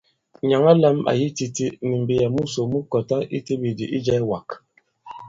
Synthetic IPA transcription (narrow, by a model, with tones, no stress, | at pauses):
ɲa˨ŋa˦la˦ma̰˨ji˦ti˦ti˦ni˨m̩˨bi˨ja˨mu˦so˨mu˦kɔ˨ta˦ḭ˦ti˦bi˨di˨ʔi˦d͡ʒɛ˦wa˨k